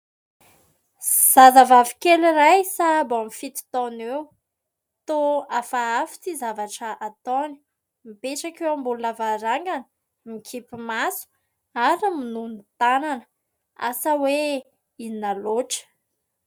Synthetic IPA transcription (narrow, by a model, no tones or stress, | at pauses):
z̥azavavi̥kelirajsabamfit̪i̥t̪ɔnew | t̪oafaafi̥t͡sizavaʈ͡ʂəʔat̪ɔni̥ | mipeʈ͡ʂakewambulunavaɾaŋɡanə̥ | mikʰipimasu̥ | aɾiminunit̪ananə̥ | a̰səwe | ininaloʈ͡ʂə̥